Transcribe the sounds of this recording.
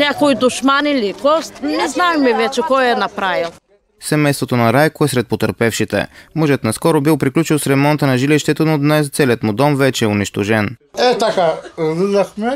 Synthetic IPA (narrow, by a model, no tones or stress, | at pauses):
nʲakoid̪ʊʃmanilikɔst̪nɛznaɛmɛvɛt͡ʃɛkɔjɛnɐpɾavilˠ | sɛmɛjst̪vot̪onɐɾajkʊɛsɾɛt̪̚pot̪əɾpɛfʃit̪ɛ̰mɔʒɛət̪nɐskɔɾʊbilˠpɾiklʲut͡ʃilˠsɾɛmɔnt̪ənɐʒiliʃt̪ɛt̪onod̪nɛst̪sɛliət̪mʊd̪ɔmvɛt͡ʃɛɛʊniʃt̪oʒɛnɛt̪akad̪id̪ɐxmɛ